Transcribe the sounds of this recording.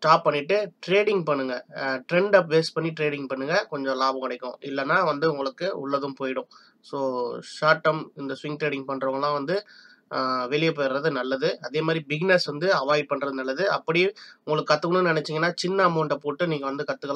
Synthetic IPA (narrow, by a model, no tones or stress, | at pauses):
sʈaːpːɐɳːɪʈːɯʈɾeːɽɪŋɡpɐɳːɯŋɡɐʈɾɛɳɖɐpʋeːspɐɳːiʈɾeːɽɪŋɡ̚pɐɳːɯŋɡɐkɔɲd͡ʒɔ̃laːbɐ̃kɐɽɐɪkːʊ̰̃ɪlːɐnːaːʋɐnd̪ɯʊŋɡɐɭɯkːɯʊ̰ɭːɐðɯmpoːjɪɽʊ̃ | soːʂaːʈːɐmɪnd̪ɐsʋɪŋʈɾeːɽɪŋɡpɐɳːɾɐʋɐŋɡɐlãːʋɐnd̪ɯ | ʋɛɭɪjɐpːoːjɪɾɾɐðɯnɐlːɐðɯɐðeːmaːd̪ɾibɪɡɪnɛsʋɐnd̪ɯɐʋaːj̚pɐɳːɾɐðɯnɐlːɐðɯɐpːɐɽiʊ̃ŋɡɐɭɯkːɯkɐt̪ːɯkɐɳnɯnnɪnɛt͡ʃːɪŋɡɐnːaːt͡ʃɪnːamoːɳɖɐpoːʈːɯniːŋɡɐʋɐnd̪ɯkɐt̪ːɯkːɐɭ